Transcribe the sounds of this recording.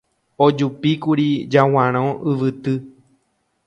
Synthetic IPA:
od͡ʒupikuɾid͡ʒaw̃ãɾ̃õɨʋɨt̪ɨ

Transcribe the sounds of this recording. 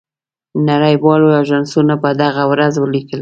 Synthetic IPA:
naɾajwɑloaʒɑnsunapəd̪aɣawɾazwəlikəl

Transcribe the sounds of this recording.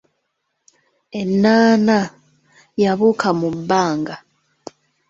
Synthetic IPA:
e̞nːaːna | jaβukamubːaːŋɡa

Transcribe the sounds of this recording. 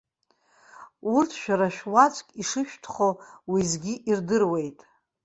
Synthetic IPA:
urtʰʃᶣaɾaʃᶣwat͡ʃʷʼkʼiʂɨʃᶣtʰχowizɡʲiʔirdɨrwe̞jtʼ

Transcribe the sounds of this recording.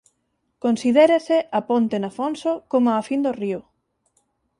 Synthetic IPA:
konsiðeɾeseʔapont̪enafonsokomoafind̪oriʊ

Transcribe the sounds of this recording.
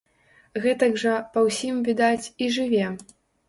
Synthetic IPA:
ɣɛt̪ɐɡʐɐpɐwsʲimvʲid̪at͡sʲiʐɨvʲɛ

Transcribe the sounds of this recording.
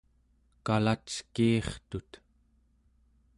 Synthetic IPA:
kalat͡ʃkiːχt̪ut̪

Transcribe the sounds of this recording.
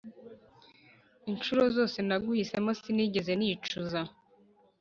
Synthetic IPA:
inʃuɾo̞zo̞ːse̞naɡuhise̞mosiniːɟe̞ze̞nit͡ʃuza

